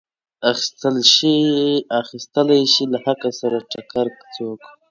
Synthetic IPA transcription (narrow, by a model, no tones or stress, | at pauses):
axi̥st̪əlʃiaxist̪əlajʃilahakasaɾaʈakaɾkt͡sok